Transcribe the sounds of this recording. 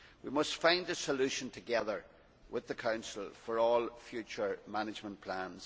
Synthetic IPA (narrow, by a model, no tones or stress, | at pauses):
wimʌstfãɪ̃ndəsəlʉʃə̃ntʰəɡɛðə˞ | wʔɪðəkʰãʊ̃nsl̩ˠfə˞ɔlˠfjʉt͡ʃə˞manɪd͡ʒmə̃npʰl̥ãnz̥